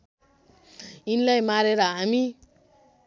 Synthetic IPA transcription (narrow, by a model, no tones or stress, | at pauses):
inilajmaɾeɾʌɦami